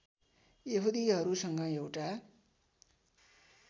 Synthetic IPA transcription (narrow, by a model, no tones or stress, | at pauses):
jeɦud̪iɦʌɾusʌŋɡʌewʈa